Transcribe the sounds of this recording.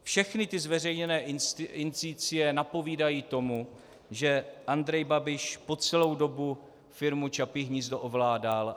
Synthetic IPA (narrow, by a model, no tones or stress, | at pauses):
fʃɛxnɪt̪ɪzvɛr̝ɛjɲɛnɛːɪnt͡sit͡sɪjɛnapo̞viːdajiːt̪o̞mu | ʒɛʔand̪ɾɛjbabɪʃpo̞t͡sɛlo̞wdo̞bu | fɪɾmut͡ʃapɪɦɲizdoʔovlaːdal